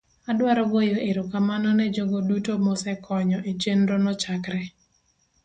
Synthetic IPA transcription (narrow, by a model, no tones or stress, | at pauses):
adwaɾɔɡojoʔeɾokamanɔnɛd͡ʒoɡodutomɔsɛkʰɔɲɔʔet͡ʃenɾonɔt͡ʃakɾɛ